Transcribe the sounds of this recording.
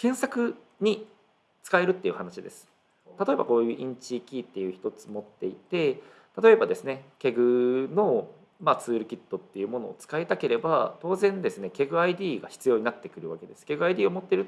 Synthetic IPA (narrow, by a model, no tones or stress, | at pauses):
kẽ̞ɰ̃sakɯ̟ | ɲ̟i | t͡sɨ̥kae̞ɾɯ̟t̪ːe̞iɯ̟hanaɕid̪e̞sɨ̥ | t̪at̪o̞e̞ba̰ko̞ːjɯ̟ːʔĩɲ̟t͡ɕikʲit̪ːe̞jɯ̟ːçi̥t̪o̞t͡sɨ̥mo̞t̪ːe̞it̪e̞ | t̪at̪o̞e̞bad̪e̞sɨne̞kʲe̞ɡɯ̟no̞ | mat͡sɨːɾɯ̟kʲit̪ːo̞t̪ːe̞jɯ̟ːmo̞no̞̰ːt͡sɨ̥kaet̪ake̞ɾe̞bat̪o̞ːzẽ̞nd̪e̞sɨne̞kʲe̞ɡɯ̟aid̪ʲiːɡaçi̥t͡sɨjo̞ːɲ̟inat̪ːe̞kɯ̟ɾɯ̟βake̞d̪e̞sɨ̥ke̞ɡɯ̟aid̪ʲiːo̞mo̞t̪ːeɾɯ̟